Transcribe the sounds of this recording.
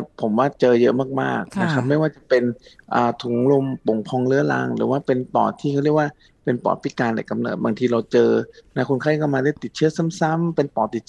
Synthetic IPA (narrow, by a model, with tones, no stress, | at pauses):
pʰo˩˦mwaː˥˩t͡ɕɤː˧jɤ˦˥ʔmaː˥˩k̚ma̰ː˥˩k̚na˦˥kʰa˦˥p̚ma˥˩jwaː˥˩t͡ɕa˨˩pe˧nʔaː˨˩t̪ʰu˩˦ŋlo˧mpo˨˩ŋpʰɔː˧ŋlɯ˦˥əla̰ː˧ŋɾɯː˩˦waː˥˩pe˧np̪ɔ̰ː˨˩t̪ʰiː˥˩a˥˩ɾi˥˩ək̚waː˥˩ | pe˧npɔ̰ː˨˩t̪̚pʰi˦˥kaː˧nla̰˨˩jka˧mnɤ̰ː˨˩t̪̚baː˧ŋt̪ʰiː˧ɾa˧wt͡ɕɤː˧na˦˥kʰu˧nkʰa˥˩ka˥˩wmaː˧daː˥˩˨t̪i˨˩t̪̚t͡ɕʰɯ˥˩əsa˥˩˨msa˥˩mpe˧npɔː˨˩t̪i˨˩t̪̚ʰ